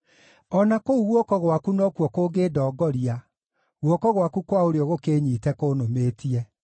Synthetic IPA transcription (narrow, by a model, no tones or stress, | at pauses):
ɔnakouɣwɔkɔɣwakunɔkwɔkoɡeːdɔːɡɔɾia | ɣwɔkɔɣwakukwaoɾeɔɣokeːɲiːtɛkonomeːtiɛ